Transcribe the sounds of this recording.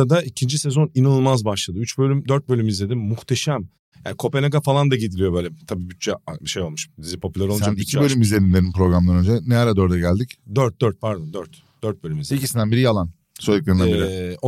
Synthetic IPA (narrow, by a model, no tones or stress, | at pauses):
ad̪aicʰind͡ʒisɛzo̞ninanulˠmazbaʃlˠad̪ɯyt͡ʃbø̞lʲymd̪øɾt̪̚bølʲymizlʲe̞d̪imːuxt̪ʰe̞ʃæm | jaːnikʰo̞pe̞naɡafalˠand̪aɟed̪ilʲijo̞bøːlʲɛt̪ʰabiːbyt̪̚t͡ʃɛʃe̞jo̞lˠmuʃd̪izipʰo̞pʰylʲæɾlˠsd͡ʒanicʰibø̞lʲymizlʲeɾinlʲeninpɾo̞ɡɾamˠanønd͡ʒɛneaɾad̪oɾd̪ɛɟælʲd̪icd̪øɾt̪̚d̪øɾt̪̚pʰaɾd̪ond̪øɾt̪ | d̪̥øɾt̪̚bølʲymizlʲeicisind̪ænbiɾijalˠan | sojiklʲˠeɾinæbiɾio